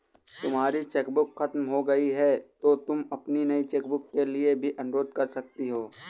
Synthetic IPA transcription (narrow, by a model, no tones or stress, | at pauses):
t̪ʊmɦaːɾit͡ʃeːkbʊkxɐt̪mɦoɡɐiɦɛt̪ot̪ʊmɐpninɐit͡ʃeːk̚bʊkːeliebʱiʔɐ̃nɾoːd̪̚kɐɾsɐk̚t̪iɦoː